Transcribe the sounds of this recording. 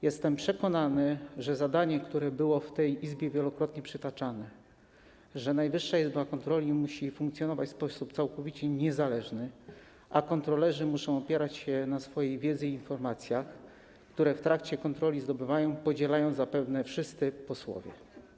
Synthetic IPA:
jɛst̪ɛmpʂɛkɔnanɘʐɛzad̪aɲɛkt̪uɾɛbɘwɔft̪ɛjizbʲjɛvʲjɛlɔkɾɔt̪ɲɛpʂɘt̪at͡ʂanɛ | ʐɛnajvɘʂːaizbakɔnt̪ɾɔlʲimuɕifuŋkt̪sʲjɔnɔvat͡ɕʲspɔsup̚t̪sawkɔvʲit͡ɕɛɲɛzalɛʐnɘ | ʔakɔnt̪ɾɔlɛʐɘmuʂɔ̃w̃ɔpʲjɛɾat͡ɕɕɛnasfɔjejvʲjɛd̪zɘiinfɔɾmat̪sʲjax | kt̪uɾɛft̪ɾakt͡ɕɛkɔnt̪ɾɔlʲizd̪ɔbɘvajɔ̃w̃pɔd͡ʑɛlajɔ̃w̃zapɛvnɛfʂɘst̪sɘpɔswɔ̰vʲjɛ̰

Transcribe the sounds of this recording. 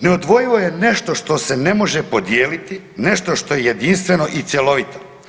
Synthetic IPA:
neod̪ʋo̞jiʋo̞jeneʃt̪o̞ʃt̪o̞se̞nemo̞ʒepo̞d̪jeːlit̪i | neʃt̪o̞ʃt̪o̞jejed̪inst̪ʋe̞no̞ʔit̪sjelo̞ʋit̪o

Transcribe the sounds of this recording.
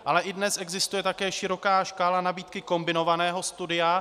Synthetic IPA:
ʔalɛʔɪdnɛsʔɛɡzɪst̪ujɛt̪akɛːʃɪɾo̞kaːʃkaːlanabiːt̪kɪko̞mbɪno̞vanɛːɦo̞st̪udɪja

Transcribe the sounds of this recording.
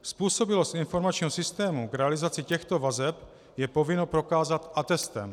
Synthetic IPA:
spuːso̞bɪlost̪ʔɪnfo̞ɾmat͡ʃɲiːɦosɪst̪ɛːmuɡɾɛalɪzat͡sɪcɛxt̪o̞vazɛp | jɛpo̞vɪnopɾo̞kaːzat̪ʔat̪ɛst̪ɛ̰m

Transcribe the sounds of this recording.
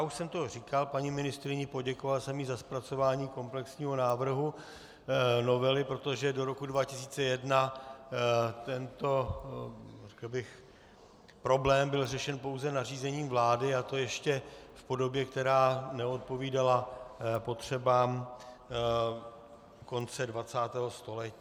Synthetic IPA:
jauʃsɛmt̪o̞r̝iːkalpaɲimɪnɪst̪ɾɪɲɪpo̞ɟɛkovalsɛmɪzaspɾat͡so̞vaːɲiːko̞mplɛksɲiːɦo̞naːvr̩ɦu | no̞vɛlɪpɾo̞t̪oʒɛdo̞ɾo̞kudvacɪsiːt͡sɛjɛdna | t̪ɛnt̪o̞ | rɛkl̩bɪx | pɾo̞blɛːmbɪlrɛʃɛnpo̞wzɛnariːzɛɲiːmvlaːdɪat̪o̞jɛʃcɛfpo̞do̞bjɛkt̪ɛɾaːnɛo̞t̪̚po̞viːdalapo̞t̪r̝̥ɛbaːm | ko̞nt͡sɛdvat͡saːt̪ɛːɦo̞st̪o̞lɛci

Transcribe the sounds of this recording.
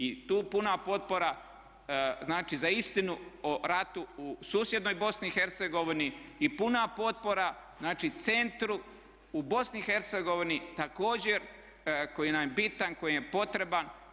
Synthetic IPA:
it̪uːpunapo̞t̪̚poɾa | znaːt͡ʃizaist̪inuoɾat̪uusuːsjed̪no̞jbo̞snixe̞ɾt̪seɡo̞ʋiniipunapo̞t̪̚po̞ɾa | znaːt͡ʃit̪se̞nt̪ɾu | ubo̞snixe̞ɾt̪se̞ɡo̞ʋinit̪ako̞ːd͡ʑe̞ɾ | ko̞jinamjebit̪anko̞jijepo̞t̪ɾe̞ban

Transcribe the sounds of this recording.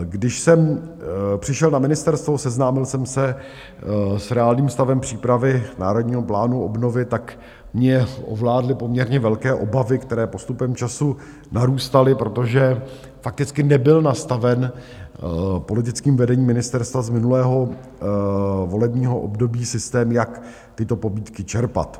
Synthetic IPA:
ɡdɪʃsɛm | pr̝̥ɪʃɛlnamɪnɪst̪ɛɾst̪vosɛznaːmɪlsɛmsɛ | sɾɛaːlniːmst̪avɛmpr̝̥iːpɾavɪna̰ːɾodɲiːɦo̞plaːnuʔo̞bno̞vɪt̪ak | mɲɛʔo̰vlaːdlɪpo̞mɲɛɾɲɛvɛlkɛːʔo̞bavɪkt̪ɛɾɛːpo̞st̪upɛmt͡ʃasu | naɾuːst̪alɪpɾo̞t̪o̞ʒɛ | fak̚t̪ɪt͡skɪnɛbɪlnast̪avɛn | po̞lɪt̪ɪt͡skiːmvɛdɛɲiːmɪnɪst̪ɛɾst̪vazmɪnulɛːɦo̞ | vo̞lɛbɲiːɦoʔo̰bdo̞biːsɪst̪ɛːmjak | t̪ɪt̪o̞po̞biːt̪kɪt͡ʃɛɾpa̰t̪

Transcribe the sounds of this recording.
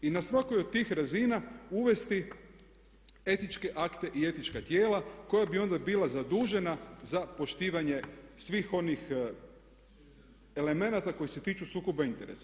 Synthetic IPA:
inasʋako̞jod̪̚t̪ːiːxɾazinauʋe̞st̪i | e̞t̪nit͡ʃke̞ʔakt̪e̞ʔie̞t̪nit͡ʃkat̪je̞ːlako̞jabio̞nd̪abiːlazad̪uːʒe̞nazapo̞ʃt̪iːʋaɲe̞sʋiːxo̞nix | ele̞me̞nat̪ako̞jise̞t̪iːt͡ʃusuːkobaint̪e̞ɾḛsḁ

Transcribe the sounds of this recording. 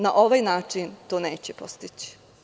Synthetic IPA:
naʔo̞ʋajnaːt͡ʂint̪oːne̞ːt͡ɕepo̞st̪it͡ɕi̥

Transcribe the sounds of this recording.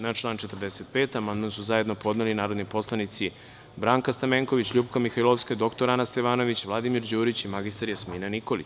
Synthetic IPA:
nat͡ʃlˠaːnt͡ʃe̞t̪əɾd̪eset̪̚peːt̪amand̪mansuzajed̪no̞po̞d̪nelinaːɾo̞d̪nipo̞slˠanit̪si | bɾaːŋkast̪ameːŋko̞ʋit͡ɕʎupkamixailˠofskad̪o̞kt̪o̞ɾanast̪eʋaːno̞ʋit͡ɕʋlˠad̪imiɾd͡ʑuːɾit͡ɕimaɡist̪aɾjesmiːnaniko̞lit͡ɕ

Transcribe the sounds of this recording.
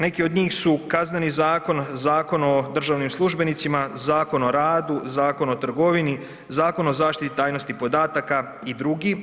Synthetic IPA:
ne̞kio̞d̪ɲiːxsukazne̞nizaːko̞nzaːko̞no̞d̪r̩ʒaʋnimslˠuʒbe̞nit̪simazaːko̞no̞ɾaːd̪uzaːko̞no̞t̪r̩ɡo̞ʋini | zaːko̞no̞zaːʃt̪it̪it̪aːjno̞st̪ipo̞d̪aːt̪aka | id̪ɾuɡi

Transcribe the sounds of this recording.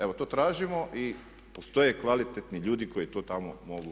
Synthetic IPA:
e̞ʋot̪oːt̪ɾaːʒimo̞ʔi | post̪o̞jekʋalit̪et̪niʎuːd̪iko̞jt̪oːt̪amomo̞ɡu

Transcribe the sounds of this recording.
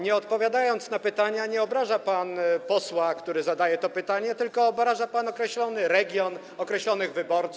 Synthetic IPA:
ɲɛɔt̪̚pɔvʲjad̪ajɔnt̪snapɘt̪aɲaɲɛɔbɾaʐapanpɔswakt̪uɾɘzad̪ajɛt̪ɔpɘt̪aɲɛt̪ɘlkɔːbɾaʐapanɔkɾɛɕlɔnɘɾɛɡʲjɔn | ɔkɾɛɕlɔnɘɣvɘbɔɾt̪s

